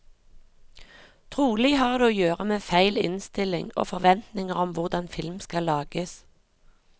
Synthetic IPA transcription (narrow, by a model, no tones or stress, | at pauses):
t̪ʰʁuːlɪhɑːʁd̪eːoːjøːʁəmeːfæɪlɪ̰nst̪ɪlɪŋo̰ːfɔʁʋɛnt̪nɪŋəʁɔmʋʊʁd̪ɑnfɪlmskɑlːɑːɡ̥əs